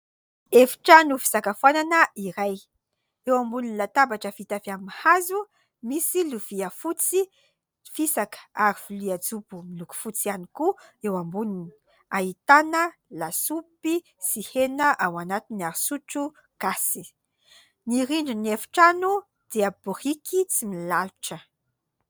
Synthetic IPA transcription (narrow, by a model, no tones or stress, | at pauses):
efi̥ʈ͡ʂanufi̥sakafananəʔiɾaj | ewambuninlat̪abaʈ͡ʂəfit̪afiamihazu | misiluviəfut͡si | fisakə̥aɾivuliad͡zubumiluku̥fut͡sianikuewambunini | ait̪anəlasupi | sihenəʔawanat̪inaɾisuʈ͡ʂu | ɡ̥asi | niɾiɳɖ͡ʐunefi̥ʈ͡ʂanu | d̪̥eəb̥urikit͡similaluʈ͡ʂə